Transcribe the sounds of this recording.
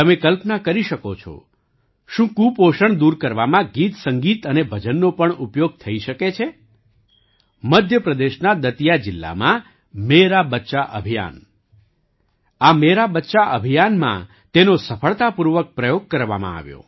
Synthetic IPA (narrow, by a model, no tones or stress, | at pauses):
t̪əmẽkəlpnakəɾiʃəkot͡ʃʰo̰ | ʃũkũpoʃəɳd̪uɾkəɾʋamãɡit̪səŋɡit̪ənebʱəd͡ʒənːopəɳupjoɡ̚t̪ʰəiʃəket͡ʃʰe | məd̪ʱjəpɾəd̪eʃnad̪ət̪ijad͡ʒɪlːa̰mã | meɾabətːʃaʔə̰bʱija̰n | ameɾabətːʃaʔəbʱijanmã̰ | t̪enosəfʰəɭt̪apuɾʋək̚pɾəjoɡ̚kəɾʋa̰mã̰a̰ʋjo̰